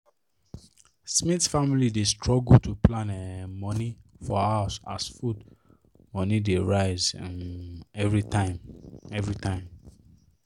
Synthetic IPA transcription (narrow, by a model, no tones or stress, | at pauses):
smitsfamilidestʰɹɔɡutʰuplãnɛmɔnifɔaʊsa̰sfud | mɔ̃nideɹaɪzã̰nɛvɹitãɪmɛvɹitʰãɪ̃m